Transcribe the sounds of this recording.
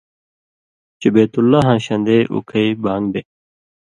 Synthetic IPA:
t͡ɕubeːt̪ulːaɦãːɕɐ̃nd̪eːʔṵkʰɐibãːŋbe

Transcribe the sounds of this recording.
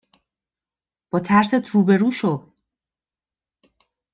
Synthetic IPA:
b̥ɒːt̪ʰæɾset̪ʰɾuːbe̞ɾuːʃod̪

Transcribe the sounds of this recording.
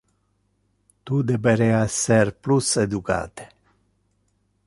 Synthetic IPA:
t̪ud̪ebeɾeaserplused̪uka̰t̪e̥

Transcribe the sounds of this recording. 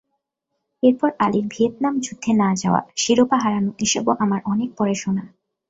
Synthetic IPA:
eɾpɔɾaliɾbʱiet̪̚namd͡ʑud̪ʱːenad͡ʑaoa̰ʃiɾopaɦaɾanukiʃeboʔamaɾʔɔnek̚pɔɾeʃona

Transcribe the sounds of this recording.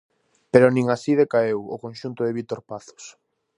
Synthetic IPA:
peɾʊnĩŋasiðekaewʊkõnʃunt̪ʊðeβit̪oɾpaθo̥s

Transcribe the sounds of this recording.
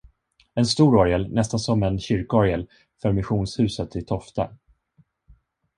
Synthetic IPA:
ɛnst̪uːɾɔɾjəlnɛst̪ansɔmɛnɕʏɾkəɔɾjəl | fœɾmɪɧuːnshʉ̟ːsət̪ʰːɪlt̪ʰɔft̪a̰

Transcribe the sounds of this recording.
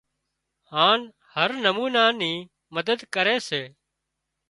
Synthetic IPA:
haːn | həɾnəmuːnaːniː | məd̪əd̪kəɾeːseː

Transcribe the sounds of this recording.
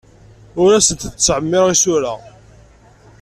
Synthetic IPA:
ʊɾæsənt̪ːt͡sːʕəmːɪɾʁisʊɾa

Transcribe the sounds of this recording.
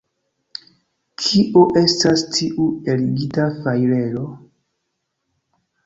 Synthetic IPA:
kʰiʔoʔe̞stastʰiʔue̞lɡitafajɾe̞lo̞

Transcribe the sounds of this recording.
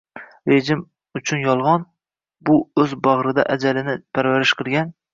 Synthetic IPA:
ɾeʒɪm | ʊt͡ʃʰʊnjɒlˠʁɑn | bʊɵzbɑʁɾɨd̪a̰ʔad͡ʒalɪnɪpʰæɾvæɾɪʃqʰɨlˠɡʲan

